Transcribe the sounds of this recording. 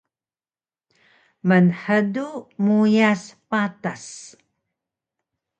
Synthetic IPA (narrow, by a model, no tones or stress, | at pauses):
mənħədumujaspatas